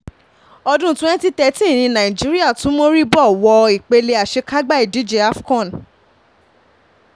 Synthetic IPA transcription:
ɔ˧dũ˦tw̃ɛ̃˦n˦ti˦tɛ˧tĩ˦˨nĩ˧nã˨ĩ˨d͡ʒi˨˦ɾi˦a˦˨tũ˨˦mo˦ɾi˦bɔ˦˨wɔ˧i˨k͡pe˧le˧a˨ʃe˧ka˦ɡ͡ba˦˨i˨di˨˦d͡ʒe˧˦a˦fkɔ̃˦˨

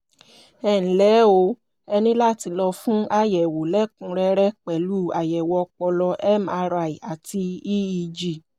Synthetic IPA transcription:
ɛ˦˨ñ̩˨lɛ˨˦o˧˦ | ɛ˧nĩ˦la˦˨ti˧lɔ˧fũ˦ʔa˦jɛ˨wo˨lɛ˦kũ˨˧˦ɾɛ˧˦ɾɛ˦k͡pɛ˨lu˦˨a˨jɛ˨wɔ˧k͡pɔ˧lɔ˧ʔɛ˦ma˧ɾa˨i˨a˨ti˧i˦i˧˨d͡ʒi˨

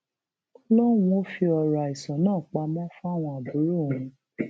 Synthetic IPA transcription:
lɔ˦wũ˧o˦fi˧ɔ˧ɾa˨i˨sɔ̃˨˦nãː˦˨k͡pa˧mɔ̃˦fũ˦a˦˨w̃ɔ̃˧a˨bu˨˦ɾo˦˨ũ˧

